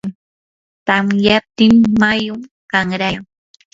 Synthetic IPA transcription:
t̪amjap̚t̪ɪmːajʊm | kaŋɾaŋ

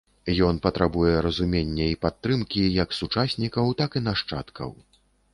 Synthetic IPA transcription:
jɔn̪pɐt̪ɾabujɛɾɐzumʲenʲːɛipat̪ːɾɨmkʲijɐksut͡ʂasʲnʲikɐwt̪akinaʂt͡ʂa̰t̪kʰɐ̰w

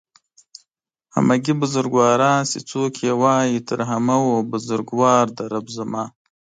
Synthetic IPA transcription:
ha̰maɡibʊzʊɾɡwɑːɾɑ̃ːsit͡soːkʰewɑːjit̪əɾɦamawobʊzʊɾɡwɑːɾd̪əɾabzamɑː

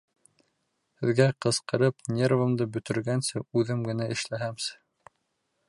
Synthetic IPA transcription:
hɘ̆ðɡæqɤ̆sqɤ̆ɾɤpnʲervɤ̆md̪ɤbɵ̆t̪ɘ̆ɾɡænsɘʉðɘmɡɘ̆næʔɘ̆ʃlæɦæmsɘ

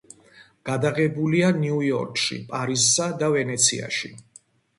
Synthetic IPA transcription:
ɡ̥ad̪aʁɛbulianiujɔ̰ɾkʼʃḭpʼaɾizsad̪avɛnɛt̪sʰḭa̰ʃi

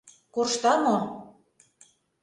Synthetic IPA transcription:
kurʃt̪ɑmo

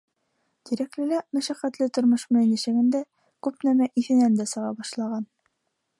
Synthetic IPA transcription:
t̪iɾæklɘ̆læmæʃæqæt̪lɘt̪ŏɾmŏʃmɤjnɘ̆ʃæɡɘnd̪æ | kʉpnæmæʔiθɘ̆nænd̪æsɤ̆ʁɑbɒʃlˠɑʁɑn

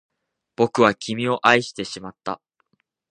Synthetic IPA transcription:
b̥o̞kɯ̟βakʲʰimʲio̞ʔaiɕi̥t̪e̞ɕimat̪ːa̰

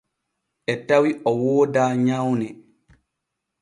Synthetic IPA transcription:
ʔɛtawiʔɔwoːdaːɲawnɛ

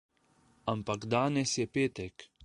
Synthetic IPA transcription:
ampaɡd̪aːnɛsjɛpeːt̪ɛk

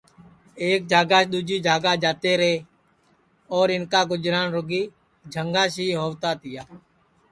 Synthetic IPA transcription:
eːk̚d͡ʒʱaːɡaːʃɗ̪uːd͡ʒiːd͡ʒʱaːɡaːd͡ʒaːt̪eːɾeː | ɔːɾɪnkaːɡʊd͡ʒɾaːnɾʊɡiː | d͡ʒʱəŋɡaːʃiːɦoːʋt̪aːt̪ɪjaː

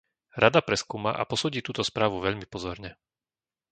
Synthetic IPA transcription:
ɾad̪apɾɛskuːmaʔa̰pɔsuːɟiːt̪uːt̪ɔspɾaːʋuʋɛʎmipɔzɔɾɲɛ

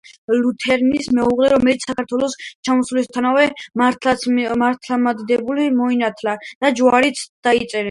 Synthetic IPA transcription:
lut̪ʰɛɾnismɛuʁlɛɾɔmɛlit̪ssakʰaɾt̪ʰwɛlˠɔst͡ʃʰamɔslist̪ʰanavɛmat̪ʰlamaɾt̪ʰlamad̪d̪ɛbulimɔinat̪ʰlad̪̥ad͡ʒwaɾit̪sd̪̥ait̪sʼɛɾɛ

